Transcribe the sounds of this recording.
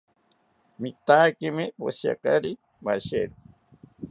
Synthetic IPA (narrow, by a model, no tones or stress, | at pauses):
mit̪akimipo̰sja̰kaɾi | maʃeɾu